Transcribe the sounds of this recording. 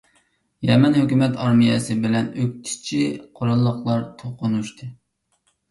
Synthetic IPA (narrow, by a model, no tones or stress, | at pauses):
jɛmɛnhøkʲymɛt̪ʰɑɾmijɛsɨbɪlɛnøk̚ʲt̪ʰi̥t͡ʃʰiqʰoɾɑlˠːəχlˠɑɾt̪ʰoqʊnuʃt̪ʰɨ